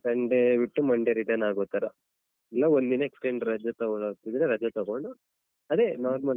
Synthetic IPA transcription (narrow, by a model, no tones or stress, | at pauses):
kɐɳɖebiʈːumɐɳɖeɾiʈɐnaːɡoːt̪aːɾɐ | ɛlːɐond̪inɐeksʈeɳɖɾɐd͡ʒɐt̪ɐɡoɭaːɡ̚t̪id̪ɾeɾɐd͡ʒɐt̪ɐɡoɳɖu | ɐd̪e̞naːɾmɐ